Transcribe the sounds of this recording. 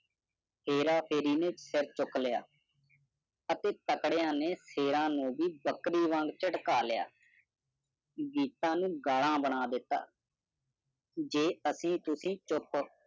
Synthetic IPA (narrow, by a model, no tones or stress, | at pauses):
pʰeːɾaːpʰeːɾiːneːt͡ʃsɪɾt͡ʃʊkʰleja̰ː | ət̪eːt̪əkɽjãːneːseːɾãːnũːʋiːbəkɾiːʋə̃ŋɡt͡ʃəʈkaːlɪja̰ː | ɡiːt̪ãːnũːɡaːɽãːbəɳaːd̪ɪt̪ːa̰ː | d͡ʒeːəsĩːt̪ʊsĩːt͡ʃʊp